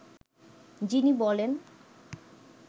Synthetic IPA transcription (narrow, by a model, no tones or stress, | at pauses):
d͡ʑinibɔlen